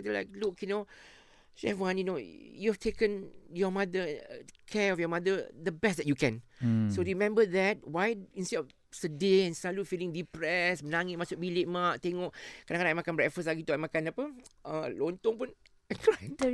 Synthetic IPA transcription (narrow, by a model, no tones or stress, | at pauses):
t̪əla̰ɪk̚lukjuno | ʃɛ̰vwãnjunojuhɛftʰekə̃njɔmad̪ə̰kʰɛɔfjɔmadəd̪əbɛstd̪ɛt̚jukɛ̃nsoɹimɛ̃mbəðɛt̚wajĩnstɛdɔf | sədeɛ̃nsalufilɪ̃ŋdipɹɛsmənaŋɪt̚masʊk̚bileʔ̚maʔt̪eŋɔʔkadãkadãŋajmakanbɹɛtfə̃nslaɡit̪uamakanapəəlont̪ɔ̃ŋpun | kɹatə